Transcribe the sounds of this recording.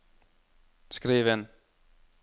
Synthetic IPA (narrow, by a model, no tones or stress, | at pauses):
sɡ̥ɾiːʋən